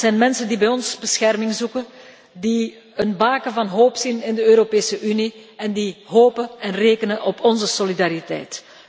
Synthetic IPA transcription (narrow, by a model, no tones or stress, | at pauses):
z̥ɛjnmɛnsəndibɛjɔnzbəsxɛrmɪŋzukən | di | ənbaːkəvɑnɦoːpsinɪndəøːɾopeːsəʔyniɛndiɦoːpəɛnreːkənənʔɔpɔnzəsolidaːɾitɛ̰jt